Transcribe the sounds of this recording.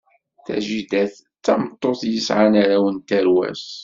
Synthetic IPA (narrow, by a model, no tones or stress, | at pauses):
θæ̰ʒid̪æθ | t͡sːɑmət̪ˤːoθjəsʕanaɾawənt̪æɾwæ̰s